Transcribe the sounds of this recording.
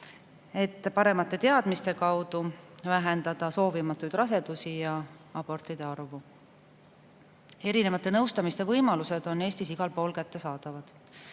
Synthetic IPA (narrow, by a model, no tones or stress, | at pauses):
e̞t̪ːˑpɑɾe̞mɑt̪ːˑe̞t̪e̞ɑd̪̥mist̪e̞kɑwd̪̥uvæɦend̪̥ɑd̪̥ɑso̞ːvimɑt̪ːˑujd̪rɑse̞d̪̥usijɑ | ɑb̥o̞rt̪id̪̥e̞ɑrvu | e̞ɾine̞vɑt̪ːˑe̞nɤwst̪ɑmist̪e̞vɤjmɑluse̞d̪̥o̞nːe̞ːsʲt̪isiɡ̥ɑlpo̞ːlkæt̪ːe̞sɑːd̪̥ɑvɑd̪̥